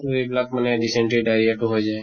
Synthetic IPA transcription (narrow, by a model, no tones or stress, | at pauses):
ɾiblakməneɖiseɳʈɾiɖajɾieʈũɦojd͡ʒa